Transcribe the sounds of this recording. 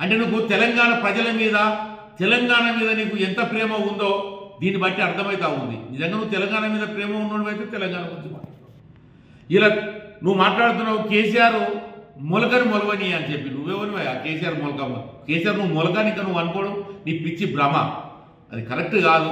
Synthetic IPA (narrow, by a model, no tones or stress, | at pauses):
ɐɳʈe̞ːnuk̬ut̪ɛlɐŋɡaːɳɐpɾɐd͡ʒɐlɐmiːd̪ɐ | t̪ɛlɐŋɡaːɳɐmiːd̪ɐniːkuɛnt̪ɐpɾɛːmɐund̪o̞ːd̪iːnːibɐʈːiɐɾt̪ʰɐmɐjt̪aːund̪ḭnizɐŋɡaːnuʋːt̪̬ɛlɐŋɡaːɳɐmiːd̪ɐpɾɛːmɐunːoːnibɐjt̪eːt̪ɛlɐŋɡaːɳɐkut͡ʃima̰ːa | ilaːnuʋumaːʈlaːɽt̪̬unːaːukeːsijaːɾumɔlɐkɐnimɔlɐʋɐniɐnit͡ʃepːinuʋeːʋɐniʋɐjaːkeːsijaːɾmɔlɐkɐmɐkeːsijaːɾunuʋumɔlɐkaːniŋkanuʋːɐnukɔːɽɐmniːpit͡ʃːibɾɐmːɐ̰ | ɐ̰d̪ikɐɾek̚ʈɡaːd̪u